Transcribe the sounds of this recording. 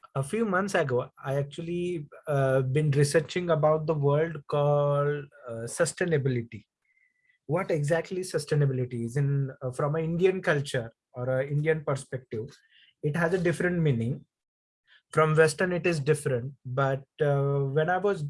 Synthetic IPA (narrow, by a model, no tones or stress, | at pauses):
əfjuːmʌ̃nt̪səɡoːaɪæk̚t͡ʃuəli | bɪ̃nɾɪsəɾt͡ʃɪ̃ŋɡəbaʊʈ̚d̪əʋəɾlɖkɔːlɖsəsʈeːnəbɪlɪʈi | ʋɔʈeɡzæk̚ʈlisəsʈeːnəbɪlɪʈiɪzɪ̃nfɾɔ̃məɪ̃ɳɖiə̃nkʌlt͡ʃəɾ | ɔːɾəɪ̃ɳɖiə̃npəɾspɛk̚ʈɪʋ | ɪʈɦæzəɖɪfɾə̃ɳʈmĩːnɪ̃ŋ | fɾɔ̃mʋɛsʈəɾnɪʈɪzɖɪfɾə̃ɳʈ̚bʌʈ̚ʋɛ̃naɪʋɔz